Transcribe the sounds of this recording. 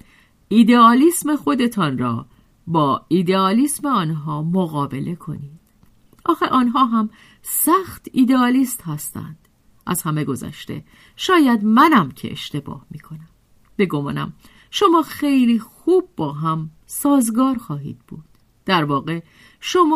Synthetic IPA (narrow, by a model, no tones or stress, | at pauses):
ʔiːd̪eɒːliːsme̞xo̞d̪e̞t̪ʰɒːnrɒ̰ː | bɒːid̪eɒːlisme̞ɒːnɦɒːmoɣɒːbe̞lʔe̞kʰo̞̰niːd̪̥ | ʔɒːxeʔɒːnɦɒːɦæm | sæxt̪ʰiːd̪eɒːliːst̪hæst̪æ̰nd̪̥ | ʔæ̰zhæme̞ɡo̞zæ̰ʃt̪e̞̰ | ʃɒːjæd̪mænæmcʰe̞̰ʔḛʃt̪e̞bɒ̰ːhmiːkʰo̞næm | b̥e̞ɡo̞mɒ̰ːnæ̰m | ʃo̞mɒːxe̞jliːxuːb̚ːɒːɦæm | sɒːzɡɒːɾxɒːɦḭːd̪̥̚b̥ṵːd̪̥ː | æɾvɒːɣe̞ | ʃo̞mː